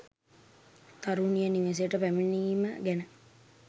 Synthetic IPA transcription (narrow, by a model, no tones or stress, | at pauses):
t̪aɾunijəniʋes̬ejəʈəpæminiməɡænə